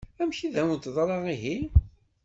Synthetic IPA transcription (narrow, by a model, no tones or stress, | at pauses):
æmçiðæut̪ðˤɾˤɑʁiɦi